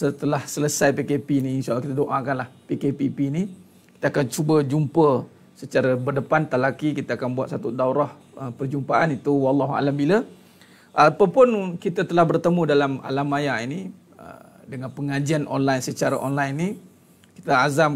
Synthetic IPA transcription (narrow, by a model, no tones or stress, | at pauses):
sət̪əlahsələsajpekepiniːnʃalakit̪adoʔakanlahpikepipini | ki̥t̪aakant͡ʃubəd͡ʒumpə | sət͡ʃaɾabərdəpant̪alakikit̪aːkanbuat̪̚sat̪udauɾɔh | əpərd͡ʒumpaʔanit̪uwɑlːɑɦua̰lambila | ʔapapʊnkit̪at̪əlahbərt̪əmũdalama̰lamajaini | ə̰ | dəŋanpəŋad͡ʒianʔo̰nlajnsət͡ʃaɾa̰ʔonlajnːi | ki̥t̪aazam